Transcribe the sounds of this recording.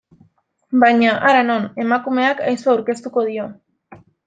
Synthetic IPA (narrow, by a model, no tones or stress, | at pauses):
baɲaʔaɾano̞ne̞makume̞aka̰jsoawɾke̞st̪uko̞ð̞io̞